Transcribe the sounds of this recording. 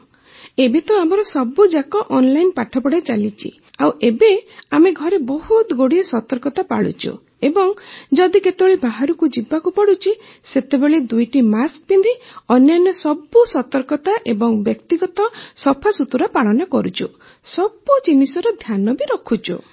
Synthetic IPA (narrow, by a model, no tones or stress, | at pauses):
ebet̪ɔamɔɾɔsɔbud͡ʒakɔʔɔnlajnpaʈʰɔpɔɽat͡ʃalit͡ʃʰḭ | awʔebeameɡʱɔɾebɔhut̪ɡoɽiesɔt̪ɔɾkɔt̪apa̰ɭṵt͡ʃʰṵ | ebɔŋd͡ʒɔd̪iket̪eɔɭibaɦaɾukud͡ʒibakupɔɽut͡ʃʰiset̪ebeɭed̪ujʈimask̚bind̪ʱiɔnjɔnjɔsɔbːusɔt̪ɔɾkɔt̪aʔebɔŋbjɔkt̪iɡɔt̪ɔsɔpʰasut̪uɾapaɭɔnɔkɔɾut͡ʃʰu | sɔbud͡ʒinisɔɾɔd̪ʱjanɔbiɾɔkʰut͡ʃʰṵ